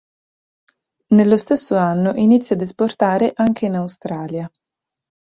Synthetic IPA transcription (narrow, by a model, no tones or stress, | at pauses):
nelːost̪esːoanːoʔinit̪sːjad̪esport̪aːɾeʔaŋk̟ʰeinawst̪ɾaːlja